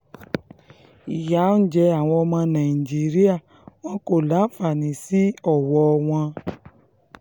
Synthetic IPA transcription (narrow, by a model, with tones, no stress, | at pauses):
i˨ja˨˦n̩˦d͡ʒɛ˧a˨w̃ɔ̃˧ɔ˧mã˧nã˨d͡ʒi˨˦ɾi˦a˦˨ | w̃ɔ̃˦ko˦˨la˨˦˨fa˨nĩ˨˦si˦ɔ˦˨wɔ˧w̃ɔ̃˧